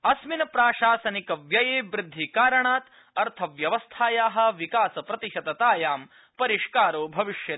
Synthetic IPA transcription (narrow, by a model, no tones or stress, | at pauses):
ɐsminɐpɾaːʃaːsɐnikɐʋjɐjeːbɾɪd̪ʱːikaːɾɐɳaːt̪ | ɐɾt̪ʰɐʋjɐʋɐst̪ʰaːjaːɦɐ̆ʋikaːsɐpɾɐt̪iʃɐt̪ɐt̪aːjaːm | pɐɾiʃkaːɾoːbʱɐʋiʃjɐ